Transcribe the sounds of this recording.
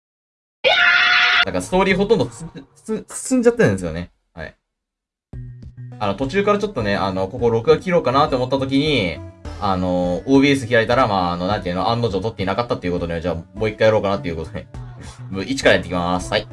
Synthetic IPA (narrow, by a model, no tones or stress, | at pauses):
d̪akaɾsɨ̥t̪o̞ːɾʲiːɦo̞t̪õnd̪o̥ | st͡sɨ̃ɲ̟d͡ʑat̪ːẽ̞nesɨjo̞̰ne̞ | ha̰ḭ | ano̞t̪o̞t͡ɕɨːkaɾat͡ɕo̞t̪ːo̞ne̞ano̞ko̞ko̞ɾo̞kɯ̟ɡakʲiɾo̞ːkanaːt̪ːeomo̞t̪ːat̪o̞k̬ʲiɲ̟iano̞oːbʲiːes̬ɨçiɾait̪aɾamaːano̞nãnt̪ejɯ̟noʔãnːozoːt̪ot̪ːeɲinakat̪ːat̪ːe̞iɯ̟ko̞t̪o̞d̪ed͡ʑaːmo̞ːikːajaɾo̞ːkanat̪ːe̞iɯ̟kot̪od̪emit͡ɕi̥kaɾajat̪ːekʲimasɨ̥hai